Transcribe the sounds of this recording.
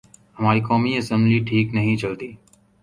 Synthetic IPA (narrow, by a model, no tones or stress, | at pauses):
ɦəmaːɾiːkɔːmiːəsə̃mbliːʈʰiːknəɦĩːt͡ʃəlt̪iː